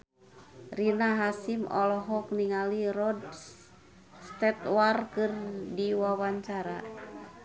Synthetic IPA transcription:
rinaɦasimɔ̰lɔɦɔkniŋaliɾɔd̚ | st̪ɛt̪warkɨrdiwawaɲt͡ʃaɾa

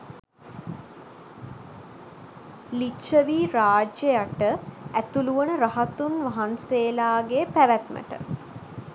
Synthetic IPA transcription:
liʃəʋiːɾaːd͡ʒjejaʈəæt̪uluʋənəɾaɦat̪unʋaɦanseːlaːɡepæʋæt̪mə̰ʈə̰

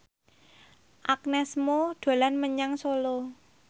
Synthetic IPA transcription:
ʔak̚nɛsmoɖ̪̥a̤lanməɲaŋsolo

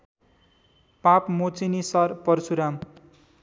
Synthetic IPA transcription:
papmot͡sinisʌrpʌrsuɾam

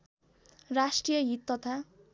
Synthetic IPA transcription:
rasʈrijʌɦit̪ːʌt̪ʰa

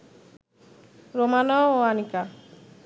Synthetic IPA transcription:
ɾomanɔoanika

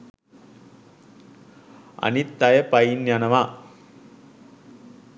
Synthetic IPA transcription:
ɐ̰nit̪ːɐjɐpɐjinjanɐʋa

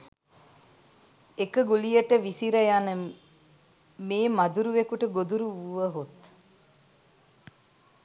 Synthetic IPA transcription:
ekəɡulijəʈəʋisiɾɐjanə | meːmɐd̪uɾuʋekuʈəɡod̪uɾuuʋəɦot̪

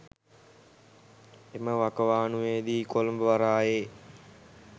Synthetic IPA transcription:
eməʋakəʋaːnuʋeːd̪iːkolmbəʋaɾaːjeː

